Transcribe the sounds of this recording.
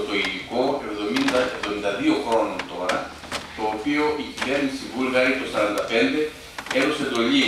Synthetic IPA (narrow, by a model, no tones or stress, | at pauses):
t̪o̞iliko̞e̞vðo̞mind̪ɐevðo̞mind̪ɐðio̞xɾo̞nont̪o̞ɾɐ | t̪o̞ːpio̞ʔiʝiveɾnisivulɣɐet̪o̞sɐɾɐnd̪ɐpe̞nd̪e̞ | eðosed̪o̞ʎi